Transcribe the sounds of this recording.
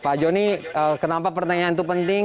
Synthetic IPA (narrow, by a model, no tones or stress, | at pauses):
pad͡ʒɔniəkənampapərt̪aɲaant̪upənt̪ɪ